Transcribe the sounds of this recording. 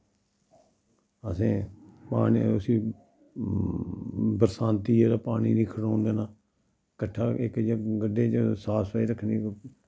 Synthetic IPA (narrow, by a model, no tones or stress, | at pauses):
əsẽːpaːniəsiː | bəɾsãːnt̪iːeːɾaːpaːɳiːniːkʰəɽoːnd̪eːnaː | kəʈʰːaːɪkd͡ʒɡəɖːeːt͡ʃsaːsʋaːiːɾəkʰːniː